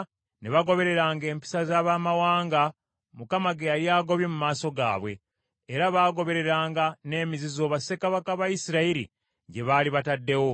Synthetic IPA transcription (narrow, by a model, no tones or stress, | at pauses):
neβaɡo̞βe̞ɾe̞ɾaːŋɡe̞ːmpi̥sazaːβaːmawaːŋɡa | mukamaɡejaɾjaːɡo̞βje̞mumaːso̞ɡa̰ːβwe̞̰ː | ɾaβaːɡo̞βe̞ɾe̞ɾaːŋɡane̞ːmizizo̞ːβase̞kaβakaβajisiɾaiɾḭ | ɟe̞βaːliβatadːe̞wo̞